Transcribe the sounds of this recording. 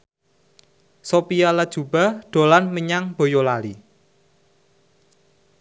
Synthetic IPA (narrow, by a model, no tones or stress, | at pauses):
sopijalad̥ʒ̥ṳb̥a̤ɖ̪̥o̤lanməɲaŋb̥o̤jolali